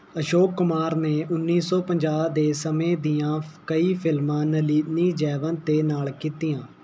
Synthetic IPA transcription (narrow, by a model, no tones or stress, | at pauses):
əʃoːkːʊmaːɾneːʔʊnːiːsɔːpəɲd͡ʒaːd̪eːsəmẽːd̪ijãːkəiːpʰɪlmãːnəliːd̪niːd͡ʒɛːʋə̃nt̪eːnaːlkiːt̪ijãː